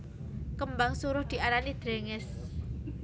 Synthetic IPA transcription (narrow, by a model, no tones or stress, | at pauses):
kəmbaŋsuɾʊhd̪̥i̤aɾanid̪̥ɾeŋɪs